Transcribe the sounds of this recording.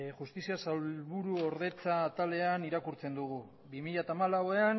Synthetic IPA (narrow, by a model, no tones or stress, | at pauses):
xust̪isiasawlβuɾuo̞ɾðe̞t͡saːt̪ale̞aniɾakuɾt͡se̞nd̪uɣu | βimiʎat̪aːmalawe̞an